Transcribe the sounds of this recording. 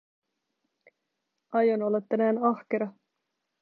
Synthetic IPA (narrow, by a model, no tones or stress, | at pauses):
ʔɑjonolːet̪ːænæːnɑhkeɾɑ